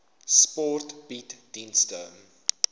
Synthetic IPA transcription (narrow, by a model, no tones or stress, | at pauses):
spɔrtb̥itdinstəm